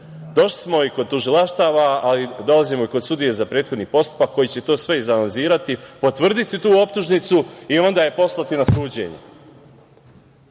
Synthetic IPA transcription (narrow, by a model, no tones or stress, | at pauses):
d̪o̞ʃli̥smo̞iko̞d̪̚t̪uʒilaʃt̪aʋaalid̪o̞lazimo̞ikosud̪ije̞zapɾe̞ːt̪xod̪nipo̞st̪u̥pakːo̞jit͡ɕe̞t̪o̞ːsʋe̞izalanziːɾat̪ipo̞t̪ʋr̩d̪it̪it̪uːo̞pt̪uʒnit̪suio̞nd̪aje̞po̞slˠat̪inasuːd͡ʑe̞̰ɲe